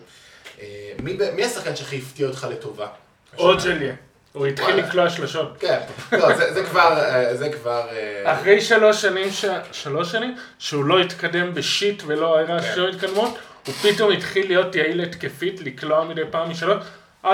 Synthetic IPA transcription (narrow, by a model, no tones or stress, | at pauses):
emibemiasaχkanʃeχaiftiaotχaleto̞va̰ | odʃelje | uitχilːikloaʃlaʃo̞tkenlozezekvaʁezekvaʁeaχʁejʃalo̞ʃanimʃaʃalo̞ʃanim | ʃeulo̞itkade̞mbeʃitvelo̞aeʁaʃlomitkadmut | hupito̞mitχilijo̞tjailetkefitlikloamidejpaːmiʃalot | ʔa